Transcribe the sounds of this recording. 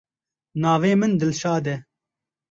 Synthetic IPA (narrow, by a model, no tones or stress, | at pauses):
naːveːmɨnd̪ɨlʃaːd̪ɛ